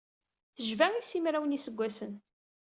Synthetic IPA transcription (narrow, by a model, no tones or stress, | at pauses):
θəʒvæŋisimɾæwənisəɡʷːæsən